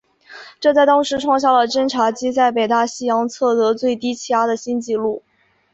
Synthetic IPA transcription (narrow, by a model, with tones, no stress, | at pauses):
ʈ͡ʂɤ˥˧t͡sa˥˩˧ɪt̪ɑ˥ŋʂɻ̩˧˥ʈ͡ʂʰwɑ˥˧ŋɕja˥˩lə˩ʈ͡ʂə˥nʈ͡ʂʰa˧˥t͡ɕi˥t͡sa˥˩ɪpe˨˩ɪt̪a˥˩ɕi˥jɑ˧˥ŋt͡sʰɤ˥˩t̪ɤ˧˥t͡swe˥˩ɪt̪i˥t͡ɕʰi˥˩a˥d̪ə˨ɕi˥nt͡ɕi˥˧lu˥˩